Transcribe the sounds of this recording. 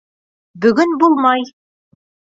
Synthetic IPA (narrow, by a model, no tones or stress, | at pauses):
bɵ̆ɡɵnbulˠmɑj